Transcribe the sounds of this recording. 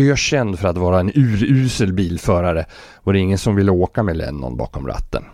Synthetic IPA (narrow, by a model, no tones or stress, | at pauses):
ɑɕɛnd̪fœɾat̪vɑːɾaɛnʉ̟ːɾʉːsəlbiːlfœːɾaɾə | vaɾɛɪŋːənsɔmvɪlːəoːkamɛlɛ̰nːɔ̰nbɑ̰ːkɔmɾa̰t̪ːə̰n